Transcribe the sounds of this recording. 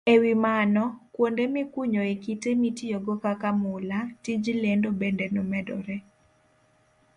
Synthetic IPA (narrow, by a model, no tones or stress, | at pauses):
ewimanɔkwondemɪkuɲoekitemitijoɡɔkakamʊlatid͡ʒlendobendenɔmɛdɔ̰ɾɛ